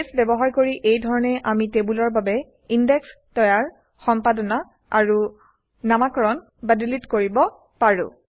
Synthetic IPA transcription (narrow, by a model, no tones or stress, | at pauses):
sbɛbɔɦaɹkoɹiʔejdʱɔɹɔnɛʔamitebulɔɹbabɛ | indɛkstɔjaɹ | xɔmpadɔna | aɹu | namakɔɹɔn | badilitkoɹibɔ | paɹʊ̰̃